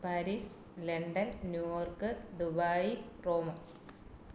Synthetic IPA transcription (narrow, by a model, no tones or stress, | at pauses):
pɐɾis | leɳɖɐnnjuːjoːrkɨd̪ubaːjiroːmɐ